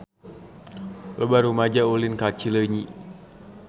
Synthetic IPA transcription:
ləbarumad͡ʒaulinkat͡ʃiləɲiʔ

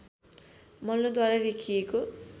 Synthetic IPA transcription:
mʌlːod̪waɾaɾikʰijeko

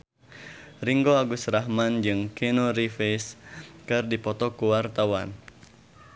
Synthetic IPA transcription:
riŋɡoaɡusɾahmand͡ʒɨŋkinoɾifeskɨrdipɔt̪ɔkuwart̪awan

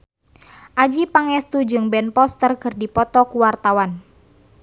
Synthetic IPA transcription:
ʔad͡ʒipaŋɛst̪ud͡ʒɨŋbɛnpɔst̪ərkərdipɔt̪ɔkuwart̪awan

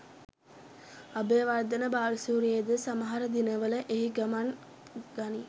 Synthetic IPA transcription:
abeːʋard̪ənəbaːlisuːɾijed̪əsaməɦaɾəd̪inəʋələʔeɦiɡɐman | ɡ̥ani

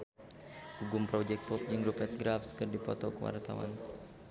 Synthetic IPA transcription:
buɡumpɾɔd͡ʒɛk̚t̪fɔk̚d͡ʒɨŋɾupɛt̪̚ɡɾafskɨrdipɔ̰t̪ɔkəwa̰rt̪a̰wa̰n

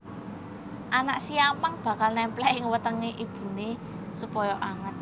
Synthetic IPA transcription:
ʔanaʔsiamaŋb̥ä̤kalnɛmplɛʔɪŋwət̪əŋeʔib̥ṳne | supɔjɔʔaŋət̪̚

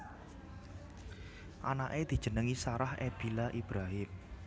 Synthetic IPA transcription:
ʔanaʔed̪̥i̤̥ʒ̥ə̤nəŋisaɾahʔḛb̥ilaʔib̥ɾaɦɪm

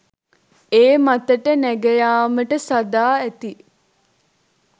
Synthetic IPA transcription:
eːmat̪əʈənæɡɐjaːməʈəsad̪aːæt̪i

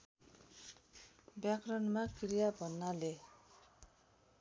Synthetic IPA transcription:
bjakrʌnmakɾijabʱʌnːale

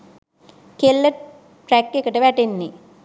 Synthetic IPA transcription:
kelːə | ʈɾækːekəʈəʋæʈenːi

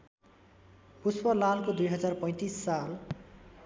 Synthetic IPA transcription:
puspʌlalkod̪ujɦʌd͡zarpʌ̃j̃t̪isːal

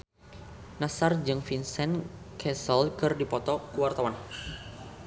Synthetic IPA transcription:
nasard͡ʒɨŋfinsɛnkʰɛsəlkɨrdipɔt̪ɔkuwart̪awan

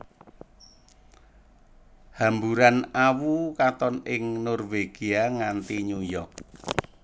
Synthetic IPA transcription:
hambuɾanawukat̪ɔnɪŋnɔrweɡ̥iaŋant̪iɲujɔk̚

